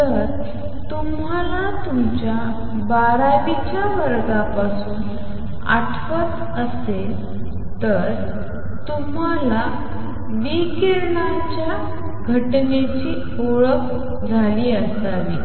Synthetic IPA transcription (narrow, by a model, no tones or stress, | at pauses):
t̪əɾ | t̪um | alat̪umt͡ɕja | baɾaʋit͡ɕjaʋəɾɡapasuːn | a̰ʈʰʋət͡s | əsel | t̪əɾ | t̪um̤ala | ʋikeɾɳa | t͡ɕja | ɡʱəʈnet͡ɕiː | oɭək | d͡zʱaliːəsaʋiː